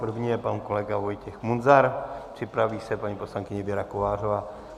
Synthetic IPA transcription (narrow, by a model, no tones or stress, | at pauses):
pr̩vɲijɛpanko̞lɛɡavo̞jcɛxmunzaɾpr̝̥ɪpɾaviːsɛpaɲipo̞slaŋkɪɲɛbjɛɾakovaːrova